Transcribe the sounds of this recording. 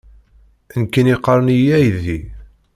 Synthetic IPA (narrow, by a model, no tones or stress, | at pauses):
ənkːəniqːəɾˤənijæjði